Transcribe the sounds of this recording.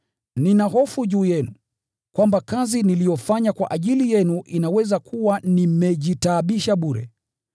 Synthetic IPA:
ninaɦɔfuʄuːjɛnu | kwambakazinilijɔfaɲakwa̰ʔaʄilijɛnuʔinawɛzakuwanimɛʄitaːɓiʃaɓuɾɛ̰

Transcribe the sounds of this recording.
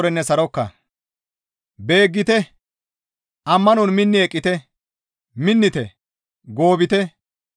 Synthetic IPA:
ɾɛnːɛsɐɾɔkːɐ̰ | be̞ːɡːɪt̪ɛ | ʔɐmːɐnʊnmɪnːɪɛkʼːɪt̪ɛ | mɪnːɪt̪ɛ | ɡo̞ːbɪt̪ɛ

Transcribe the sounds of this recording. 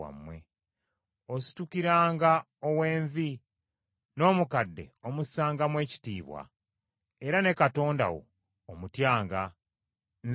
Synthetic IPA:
a̰mːwe̞̰ | osi̥tukiɾaːŋɡa | owe̞ːɱvi | no̞ːmukadːe̞̰omusaːŋɡamwe̞ːci̥tiːβwa̰ | eɾane̞kato̞ːnda̰wo̰ː | mutjaːŋɡa | nz

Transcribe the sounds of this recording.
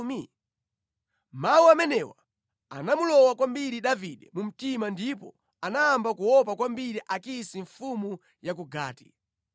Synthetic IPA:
mi | mawuamɛnɛwa | a̰namulɔwakwambiɾiɗaviɗɛmum̩timandipɔ | anaːmbakuwɔp̬akwambiɾiʔakisiɱfumu | jak̬uɡa̰ːti̥

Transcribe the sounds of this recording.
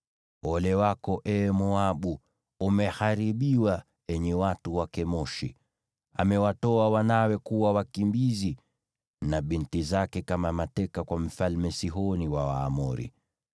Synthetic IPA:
ɔlɛwakɔʔɛmɔaɓuː | mɛhaɾiɓiwa | ɛɲɛwatuwakɛmɔʃḭ | a̰mɛwatɔawanawɛkuwawakimbizi | naɓintizakɛkamamatɛkakwam̩falmɛsiɦɔniwawaːmɔɾḭ

